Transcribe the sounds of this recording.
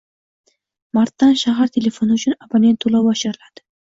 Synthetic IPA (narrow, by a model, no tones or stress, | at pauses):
maɾt̪ːanʃaɦaɾt̪ʰe̞le̞fo̞nɪʊt͡ʃʰʊnapʰanʲe̞nt̪ʰːolawɒʃɪɾɪlad̪̥ɪ̥